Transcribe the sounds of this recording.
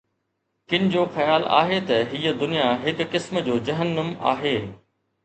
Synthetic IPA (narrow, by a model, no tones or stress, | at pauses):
kɪnɪ̆d͡ʑoːxɐjaːla̰ːɦet̪ɐɦiəd̪ʊnijaɦɪkːɪsmd͡ʑoːd͡ʑɐɦənːəma̰ːɦeː